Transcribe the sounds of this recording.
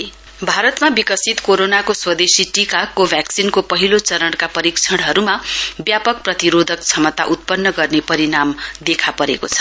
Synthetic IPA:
bʱaɾʌt̪mabikʌsit̪koɾonakoswʌd̪esiʈikakːobʱjaksinkopʌɦilot͡sʌɾʌɽkapʌɾikt͡sʰʌɽɦʌɾumabjapʌk̚prʌt̪iɾod̪ʱʌkt͡sʰʌmʌt̪aʔut̪̚pʌnːʌɡʌrnepʌɾinamd̪ekʰapʌɾḛkot͡sʰʌ̥

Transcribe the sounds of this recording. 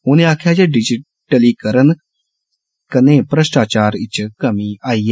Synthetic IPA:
ʊnẽːaːkʰjaːd͡ʒeɖɪd͡ʒɪ | ʈəliːkəɾən | kənẽːpɾəʃʈaːt͡ʃaːɾɪt͡ʃkəmĩaːij

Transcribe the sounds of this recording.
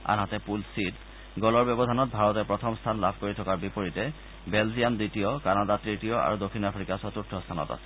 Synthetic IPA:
a̰nɦatɛpulsid | ɡɔlɔɹbjɔbɔdʱanɔt̚bʱaɹɔtɛpɹɔtʰɔmst̪ʰanla̰bʱkoɹitʰɔkaɹbipoɹitɛ | belzijanditijɔkanadatɹetiɔʔa̰ɹudokʰːinapʰɹikasɔtutʰːɔst̪ʰanɔ̰ta̰sɛ̥

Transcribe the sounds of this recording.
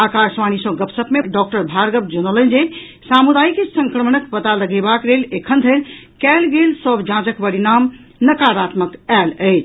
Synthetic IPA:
akaɾsʋanisəɡəpsəpmeɖɔkʈəɾbʱaɾɡəb̚d͡ʒonolənd͡ʒe | samud̪ajkesə̃ŋkɾəmənəkpət̪aləɡebakɾelekʰənd̪ʱəlkɛlɡelsɔbd͡ʒãd͡ʒəkpəɾinamnəkaɾat̪məkæləɪt͡ʃʰ

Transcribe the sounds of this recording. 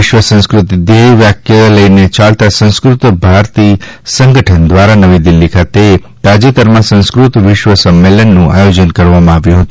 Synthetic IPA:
ɪʃʋəsə̃skɾut̪id̪eʋʋjakʰjələinet͡ʃalt̪asə̃ñskɾut̪bʱaɾt̪isə̃ŋɡəʈʰənd̪ʋaɾanəʋĩd̪ilːikʰat̪e | t̪ad͡ʒit̪əɾmãsə̃skɾut̪ʋɪʃʋəsəmːelənːũʔa̰jod͡ʒənkəɾʋamãaʋjũɦət̪ũ

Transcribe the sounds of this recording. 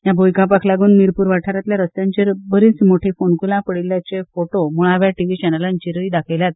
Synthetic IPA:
jabʱojkãpakʰlaɡuːnmiɾpuːɾʋaʈʰaɾat̪ljaɾəst̪jãɲt͡ɕeɾbəɾiːt͡smoʈʰiːfonkulãpəɽiljat͡ɕefoʈomuɭaʋjaʈiʋit͡ɕɛnəlant͡ɕiɾəid̪akʰejljat̪̚

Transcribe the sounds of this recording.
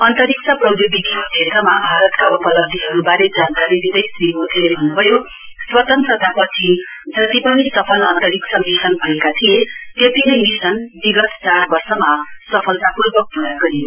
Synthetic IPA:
ʌnt̪ʌɾiksʌprʌbjud̪ʱikod̪esamabʱaɾʌt̪kaupʌlʌb̚d̪ʱiɦʌɾubaɾed͡zankaɾid̪id̪ʌjsriɦot̪ʰebʱʌnːubʱʌjo | swʌt̪ʌnsʌd̪ʱapʌt͡sʰi | d͡zʌt̪ipʌnisʌpʰʌlʌnt̪ʌɾiksʰʌmisʌnbʱʌekat̪ʰijet̪et̪inʌjmisʌnd̪iɡʌst͡saɾbʌrsʌmasʌpʰʌlt̪apurbʌk̚puɾaɡʌɾijo

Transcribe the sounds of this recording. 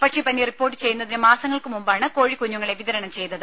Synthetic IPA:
pɐkʂeːpɐnːieripːo̞ːrʈːɨ̥t͡ɕe̞junːɐðinɨmaːsɐŋːɐɭkɨmumbaːɳɨko̞ːɻikːuɲːuŋːɐɭe̞ʋiðɐɾɐɳɐmt͡ɕe̞jt̪ːɐðɨ

